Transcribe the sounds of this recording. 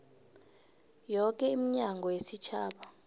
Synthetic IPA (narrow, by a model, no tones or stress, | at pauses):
jɔk̬ʼɛim̩ɲaŋɡʱɔjesit͡ʃʰaːɓa